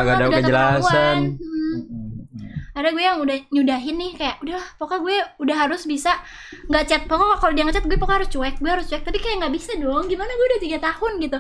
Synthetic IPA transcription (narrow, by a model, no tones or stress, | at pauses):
aɡadaakəd͡ʒəlasaan̩ | adaɡuɛjaŋudahɲudaɦɪnːɪhkajaʔudapokaɡuɛudahaɾʊsbisa | ŋɡat͡ʃat̪̚pokakakaldiaŋət͡ʃat̪̚ɡuɛpokahaɾʊst͡ʃuɛk̚ɡuɛhaɾʊst͡ʃuɛk̚t̪apikajaʔŋɡaʔbisadɔŋɡimanaɡuɛudaht̪iɡat̪ahʊnɡit̪u